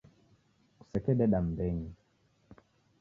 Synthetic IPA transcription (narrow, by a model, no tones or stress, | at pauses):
ku̥sɛkɛɗɛɗam̩bɛɲi